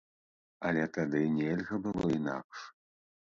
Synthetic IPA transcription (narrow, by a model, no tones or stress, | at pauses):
ɐlʲɛt̪ad̪ɨnʲɛlʲɣɐbɨlˠɔina̰kʂ